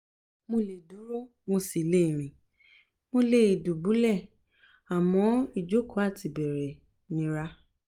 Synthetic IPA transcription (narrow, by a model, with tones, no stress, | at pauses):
mo˧le˨du˨˦ɾo˦ | mo˧si˨le˦˨ɾ̃ĩ˨ | mo˧le˧˨du˨bu˨˦lɛ˦˨ | a˨mɔ̃˨˦i˦˨d͡ʒo˨˦kɔ˨˦a˦˨ti˨bɛ˨ɾɛ˨ | nĩ˧˦ɾa˧˦